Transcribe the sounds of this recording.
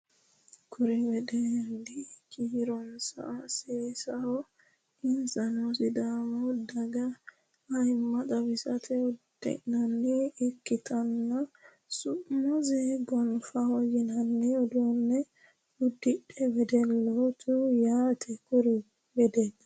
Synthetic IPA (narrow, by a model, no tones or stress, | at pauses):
kʰʊɾɛbɛd̪ɛnd̪ɪkiːɾɔnsɐ̰ʔɐseːsɐhɔ | ɪnsɐnosɪd̪aːmɔd̪ɐɡɐ | ɐjmːɐt̪ʼɐβɪsɐt̪ʰɛʊd̪̥ɛ̰nɐnːiːkːɪt̪ʰɐnːɐ | sʊʔmɔzɛbɔnfɐhɔjɪnɐnːɛɔd̪onːɛ | ʊd̪ːɪᶑɛbɛd̪ɛlːot̪ʰʊjaːt̪ʰɛkʊɾɛ | bɛd̪ɛnːɐ